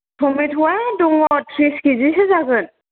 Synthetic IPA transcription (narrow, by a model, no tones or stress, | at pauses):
tʰɔmitʰuwaduŋɔtʰɾiskizisezaɡɯn